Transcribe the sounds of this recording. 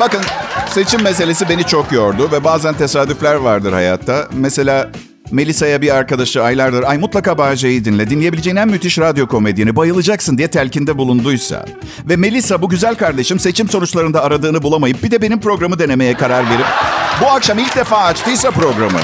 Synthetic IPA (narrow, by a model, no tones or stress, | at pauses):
b̥akɯnse̞t͡ʃʰimːes̬e̞lʲe̞s̬ibe̞nit͡ʃʰo̞kjo̞ɾd̪ʊvɛbaːzænt̪ʰe̞saːd̪yflʲæɾvaɾd̪ɯɾha̰ja̰t̪ʰːamese̞lʲaː | me̞lʲisajabiaɾkad̪aʃlˠɯajlˠaɾd̪ɯɾajmut̪lˠakaːbad͡ʒajɯd̪inlʲɛd̪inlʲejeilʲed͡ʒejinænmːyt̪ʰiʃɾad̪jo̞kʰo̞me̞d̪ijinibajɯlˠɯd͡ʒaksɯnd̪ijɛt̪ʰælʲcind̪ɛbulˠund̪ujsa̰ | vɛme̞lʲisabuɟyzælʲkaɾd̪e̞ʃɯmse̞t͡ʃʰimso̞nut͡ʃlˠaɾɯnd̪aːɾad̪ɯːnɯbulˠamajɯp̚bid̪ɛbe̞nimpɾo̞ɡɾamɯd̪e̞ne̞me̞jɛkʰaɾaɾve̞ɾip̚buakʃamilʲc̚d̪efaːt͡ʃt̪ɯjsapɾo̞ɡɾamɯ̰